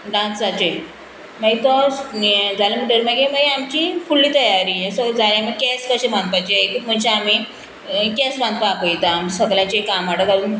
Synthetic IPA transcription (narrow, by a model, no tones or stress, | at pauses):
ɖãt͡sd͡zat͡ɕe | məɡit̪ɔ | d͡zalem̤əʈəɾməɡebajamt͡ɕĩfulːiːt̪əjaɾiẽsɔd͡zalaməkɛskəɕebʱãnd̪pajt͡ɕeekəm̤ət͡ɕeami | kɛsbʱãnd̪pakəjit̪aːmsəɡljãɲt͡ɕekamaʈəd͡zaluːn